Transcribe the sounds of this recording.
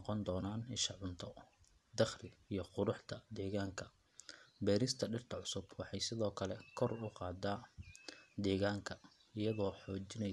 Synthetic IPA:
qɔnd̪ɔːnaːnɪʃɑʕʊnt̪ʰɔ | d̪ɑχlɪijɞqʊɾʊħt̪ʰɐd̪ɛːɣaːŋkʰɐ | bɛːɾɪst̪ʰɐɖɪrt̪ʰɐʕʊsʊbwɑħɑjsɪðɔːkʰɐlɛkʰɔrʊqɑːd̪aː | d̪ɛːɣaːŋkʰɐ | ɪjɐðɔːħɔːt͡ʃɪnɛ

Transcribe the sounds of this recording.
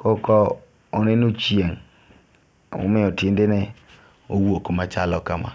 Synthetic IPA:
kɔkɔ | onɪnut͡ʃjeŋ | ṵmɪɔtɪndɪnɛ | owokomat͡ʃalɔkama̰

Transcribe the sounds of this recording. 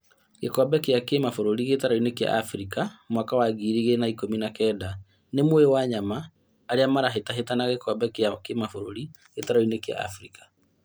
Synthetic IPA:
ɣekɔbɛkeakemafoɾoɾiɣetaɾɔinekja̰ʔafɾikamwakawaɡiːɾiɣenaikominakɛːda | nemwoewaɲamaː | ɾeamaɾaɦetaɦetanaɣekɔbɛkeakemafoɾo̰ɾi | ɣetaɾɔinekea̰a̰fɾikḁ

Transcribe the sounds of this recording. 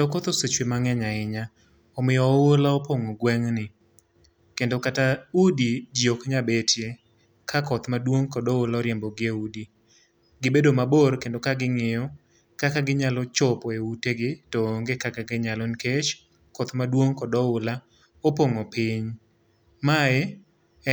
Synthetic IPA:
dokɔt̪osot͡ʃwemaŋɛɲaɪɲa | ɔmɪjɔwolaɔpoŋoɡwɛŋnɪ | kendokataudid͡ʒiokɲabetʰje | kʰakɔt̪madwoŋkɔdɔʊlaɔɾjembɔɡɪeudi | ɡɪbedomaborkendokaɡɪŋɪjɔ | kakaɡɪɲalɔt͡ʃɔpɔeuteɡɪtoŋɡekakaɡɪɲalɔnket͡ʃ | kɔt̪madwoŋkɔdɔʊla | opoŋopɪɲ | maɛ

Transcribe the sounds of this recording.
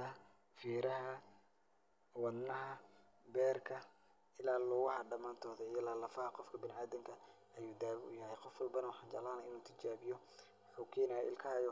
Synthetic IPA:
ɐ | fiːɾɐɦɐ | wɑd̪nɐɦɐ | bɛːrkʰɐ | ɪlaːlʊɣʊhɐɖɐmaːnt̪ʰɔːðɐijɐlaːlɐfɐhqɔfkʰɐbɪnaːðɪŋkʰɐ | ɐjuːd̪aːwʊ̰jɐhɛjqɔfwɐlbɐnɐwɑħɑːnt͡ʃɐ̰ʕlaːnɐɪnuːt̪ʰɪt͡ʃaːβɪjɔ | wħuːkʰɛːnajɛʔɪ̰lkʰɐhɐjɔ

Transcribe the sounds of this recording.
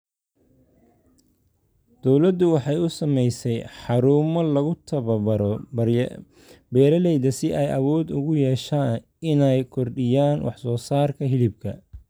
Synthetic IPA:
d̪̥ɔwlɐd̪ʊwɑħɑjʊsɐmɛjsɛjħɑɾuːmɔlɐɣʊt̪ʰɐβɐbɐɾɔ | bɛːɾɐlɛjðɐsɪʔɛjʔɐwɔːd̪ʊɣʊjɛːʃaːn | ɪnɛjkʰɔrɖɪjaːnwʔɑ̰ħsɔːsaːrkʰɐɦɪlɪb̚kʰɐ

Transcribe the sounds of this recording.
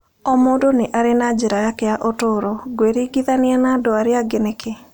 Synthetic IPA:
ɔmodonɪʔaɾenad͡ʒiɾajakeaʔotoɾɔɡweɾiɡiðanɪɛnadoaɾjaɡeneke

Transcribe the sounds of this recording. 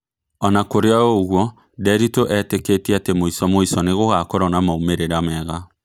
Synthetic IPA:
ɔnakoɾeɔoɣwɔ | dɛɾitoʔɛteketiatemoisɔmoisɔneɣoɣakɔɾɔnamaumeɾeɾamɛɣa

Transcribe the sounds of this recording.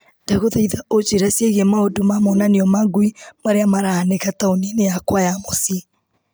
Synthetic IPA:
nd̥aɣoðaiðaot͡ʃeɾasjeɣemaodomamɔnaniɔmaŋɡuimaɾeamaɾaaneɣataoninejakwajamosi

